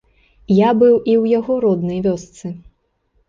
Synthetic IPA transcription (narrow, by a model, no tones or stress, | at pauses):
jabɨwʔiwjaɣɔɾɔd̪nɐjvʲɔst̪sɨ